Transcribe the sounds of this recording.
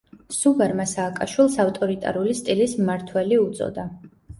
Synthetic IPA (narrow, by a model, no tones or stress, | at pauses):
suɡaɾmasaːkʼaʃwilˠsaft̪ʼɔɾit̪ʼa̰ɾulist̪ʼilismaɾt̪ʰwɛliut̪sʼɔ̰d̪a